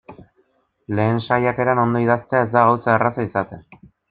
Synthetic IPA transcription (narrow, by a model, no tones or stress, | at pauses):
le̞ːnʃajak̪e̞ɾano̞nd̪o̞iðast̪e̞ae̞zd̪aɣawsaerasaisat̪e̞